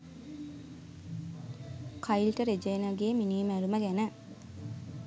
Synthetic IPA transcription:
kʰajilʈəɾed͡ʒejnaɡeːminiːmæɾuməɡænə

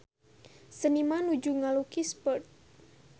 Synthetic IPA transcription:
sənimanud͡ʒuŋalukispərt̪̚

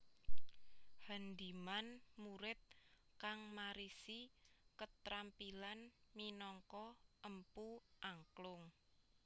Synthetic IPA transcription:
hand̪i̤manmuɾɪt̪̚ | kaŋmaɾisikət̪ɾampilanminɔŋkɔʔəmpuʔaŋklʊŋ

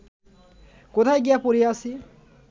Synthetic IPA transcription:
kot̪ʰajɡijapoɾiasi

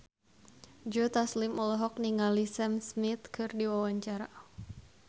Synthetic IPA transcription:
d͡ʒɔt̪aslɪmɔlɔɦɔk̚niŋalisɛmsmɪt̪kɨrdiwawaɲt͡ʃaɾa

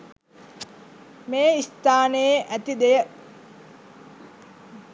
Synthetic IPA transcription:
meːist̪aːnejeʔæt̪id̪ejə

